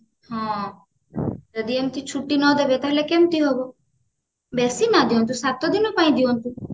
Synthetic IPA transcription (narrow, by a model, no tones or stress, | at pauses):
hã | d͡ʒəd̪iemt̪it͡ʃʰuʈːinɔd̪eʋet̪ɔɦlekemt̪iɦobo | bɛsinad̪iõnt̪̬ũsat̪od̪inopãĩd̪iont̪ũ